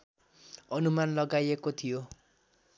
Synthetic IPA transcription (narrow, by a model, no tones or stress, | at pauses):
ʌnumanlʌɡajekot̪ʰijo